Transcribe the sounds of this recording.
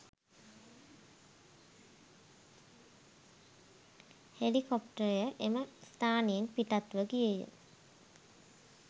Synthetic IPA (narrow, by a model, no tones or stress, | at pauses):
helikopʈəɾjəʔeməst̪aːneenpiʈat̪ʋəkijəjə̰